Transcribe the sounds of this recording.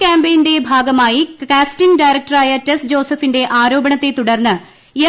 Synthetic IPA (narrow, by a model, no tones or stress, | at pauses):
kaːmbejnde̞bʱaːɡɐmaːjikaːsʈiŋɖajɾɐk̚ʈɐraːjɐtɐsd͡ʑo̞ːsɐfinde̞ʔaːɾo̞ːbɐɳɐt̪ːe̞t̪uɽɐrnːɨ | e